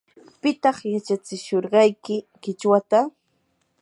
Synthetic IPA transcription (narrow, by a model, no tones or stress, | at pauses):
pɪt̪ɑχjat͡ʃat͡sɪʃoɾɢɑjkɪkɪt͡ʃwat̪a